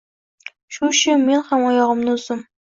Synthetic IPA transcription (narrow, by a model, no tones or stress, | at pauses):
ʃʊʃɪme̞nhamɒjɒʁɨmnɪʊz̥ɪm